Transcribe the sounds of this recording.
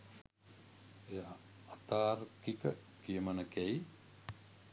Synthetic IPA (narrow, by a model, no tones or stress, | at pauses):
eja | at̪aːɾkikə | kiəmanəkɛj